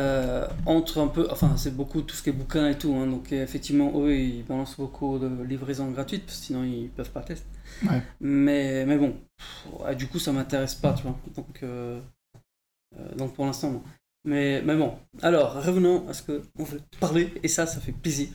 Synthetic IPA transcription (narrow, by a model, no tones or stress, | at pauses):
øɑ̃t̪χɛ̃pøʔɑ̰̃fɛ̃sɛbokut̪u̥sə̥kʲiɛbukʲɛ̃et̪uɛ̃d̪ɔ̃kefɛkt̪ivmɑ̃ʔowiibalɑ̃sbokʰud̪əlivʁezɔ̃ɡʁat̪ɥit̪̚pḁskə̥sinɔ̃ilpœv̥pat̪ɛst̪ | mɛmɛbɔ̃ | ḛd̪ykusamɛ̃t̪eʁɛspat̪yvwad̪ɔ̃kʰø | ø̰d̪ɔ̃k̚puʁlɛ̃st̪ɑ̃bɔ̃ | mɛmɛbɔ̃alɔːʁːəvənɑ̃asə̥kəɔ̃vuɛt̪ə̥paʁleesasafɛpleziːʁ